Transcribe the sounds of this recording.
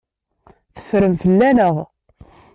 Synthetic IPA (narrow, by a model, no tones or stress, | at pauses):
θə̥fɾəmfəlːænəʁˤ